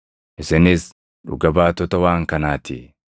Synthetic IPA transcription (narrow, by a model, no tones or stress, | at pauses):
ʔɪsɪnɪs | ᶑʊ̰ɡɐbaːt̪ɔt̪ɐwaːŋkɐnaːt̪ɪ